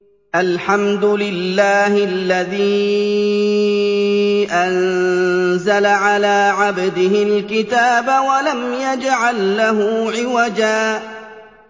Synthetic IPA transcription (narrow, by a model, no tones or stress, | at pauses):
ʔalħamd̪ʊlɪlːaːhɪalːaðiː | ʔan | zalaʕalaːʕabd̪ɪhɪlkɪt̪aːbawalamjad͡ʒʕalːaɦʊːʕɪwad͡ʒaː